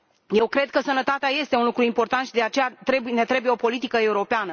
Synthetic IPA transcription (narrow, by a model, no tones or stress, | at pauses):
je̞wkɾe̞d̪̚kəsənət̪at̪eaje̞st̪eunlukɾuimpo̞rt̪ant̪ʃid̪e̞at͡ʃe̞jat̪ɾe̞bujne̞t̪ɾe̞buje̞o̞po̞lit̪ikəe̞uɾo̞peanə